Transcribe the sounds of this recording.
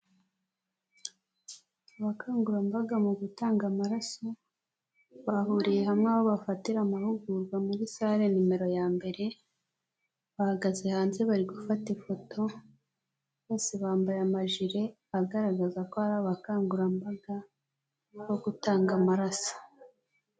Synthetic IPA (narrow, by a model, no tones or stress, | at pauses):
aβakaːŋɡuɾambaɡamuɡutaːŋɡamaɾaso | βahuɾije̞hamŋaβoβafatiɾamahuɡuɾɡwamuɡisaɾenime̞ɾo̞jaːmbe̞ɾe̞ | βahaɡaze̞haːnze̞βaɾiɡufatefo̞tʰo̞ | βo̞ːseβaːmbajamaʒiɾe̞ | aɡaɾaɡazakohaɾaβakaːŋɡuɾambaɡa | βo̞ɡutaːŋɡamaɾasḁ